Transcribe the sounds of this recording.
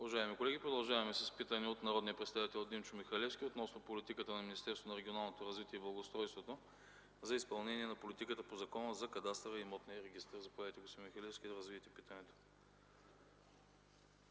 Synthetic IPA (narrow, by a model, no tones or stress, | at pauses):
ʊvɐʒaɛmikolɛɡʲipɾod̪ɐlˠʒavɐmɛsəspit̪əniot̪nɐɾɔd̪nijəpɾɛt̪st̪avit̪ɛlˠd̪imt͡ʃʊmixɐlɛfskʲiot̪nɔsnopolit̪ikət̪ənɐminist̪ɛɾsvonɐɾɛɡʲionalˠnot̪oɾɐzvit̪iɛiblˠɐɡost̪ɾɔjst̪vot̪o | zɐispɐlˠnɛniɛnɐpolit̪ikət̪əpozɐkɔnəzɐkɐd̪ast̪ɾəimɔt̪nijəɾɛɡist̪əɾzɐpɛit̪ɛɡosimixɐlɛfskʲid̪ɐɾɐzviɛt̪ɛpit̪ənɛt̪o̥